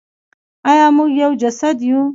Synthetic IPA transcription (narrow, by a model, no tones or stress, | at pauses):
ɑjɑmuɡjawd͡ʒasad̪ju